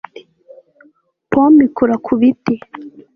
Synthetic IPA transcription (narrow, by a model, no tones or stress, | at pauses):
pomikuɾakʰuβiti